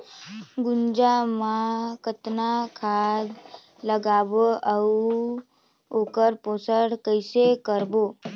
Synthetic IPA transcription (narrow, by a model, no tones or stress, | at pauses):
ɡund͡ʒamãkət̪nakʰad̪ | ləɡaʋoəu | okəɾposəɽkəjsekəɾbo